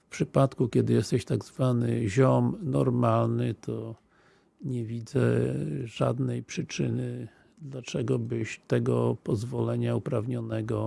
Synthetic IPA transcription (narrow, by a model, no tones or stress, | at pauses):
fpʂɘpat̪kukʲɛd̪ɘjɛst̪ɛɕt̪aɡzvanɘʑɔmnɔɾmalnɘt̪ʰɔ | ɲɛvʲid̪zɛ̰ʐa̰d̪nɛjpʂɘt͡ʂɘnɘ | d̪lat͡ʂɛɡɔbɘɕt̪ɛɡɔpɔzvɔlɛɲaupɾavɲɔnɛɡɔ